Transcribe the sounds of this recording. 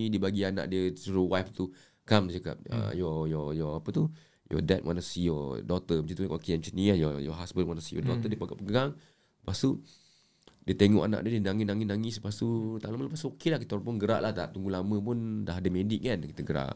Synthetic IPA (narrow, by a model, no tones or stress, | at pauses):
idibaɡiana̰ʔdiəsuɾuwajft̪u | kamdit͡ʃaka̰p̚ə̰jɔjɔjɔapət̪u | jɔ̰dɛt̪̚wʔa̰nasijɔdɔt̪əmət͡ʃit̪ukkɔkiɛnt͡ʃəniajɔjɔ̰ɦasbənwanasijɔ̰dɔt̪ədiəpaɡaʔpəɡaŋ | past̪u | diət̪eŋɔ̰ʔana̰ʔdiədiənaŋɪnaŋinaŋispast̪ut̪alamalapast̪uokelahkit̪aɾapʊnɡəɾa̰ʔlaht̪aʔt̪uŋɡulamə̃p̬undaɦadəmediʔkankit̪əɡəɾa̰ʔ